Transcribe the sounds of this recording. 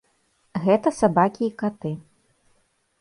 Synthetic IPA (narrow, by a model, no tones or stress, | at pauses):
ɣɛt̪ɐsabakʲiːkat̪ɨ